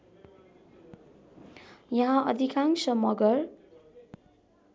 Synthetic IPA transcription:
jʌɦãʔʌd̪ʱikaŋsʌmʌɡʌr

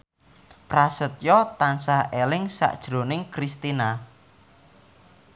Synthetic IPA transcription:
pɾasət̪̚jɔt̪ansahʔelɪŋsa̰ʔd̥ʒ̥ɾo̤nɪŋkɾist̪ina

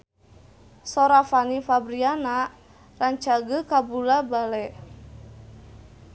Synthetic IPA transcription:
sɔɾafanifabɾiana | raɲt͡ʃaɡəkabulabalɛʔ

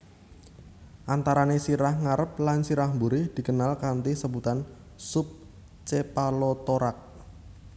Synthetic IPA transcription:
ʔant̪aɾanesiɾahŋaɾəp̚lansiɾahmbuɾɪhd̪̥i̤kənalkant̪isəbut̪an | sʊp̚ | t͡ʃepalot̪oɾak̚

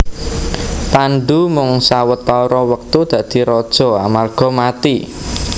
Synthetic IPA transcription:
panɖumʊŋsawət̪ːaɾɔwək̚t̪ud̪̥ä̤d̪̥i̤ɾɔd̥ʒ̥ɔ̤amarɡ̥ɔ̤mat̪i

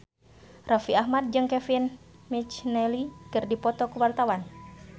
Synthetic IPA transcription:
rʔafiahmat̪̚d͡ʒɨŋkɛfin | mit͡ʃnɛlikɨrdipɔt̪ɔkuwart̪awan

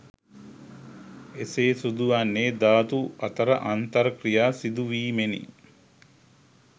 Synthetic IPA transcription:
eseːsud̪uʋanːeːd̪aːt̪uɐt̪ɐɾə̰ʔant̪ɐɾəkrijaːsid̪uʋiːmenḭ

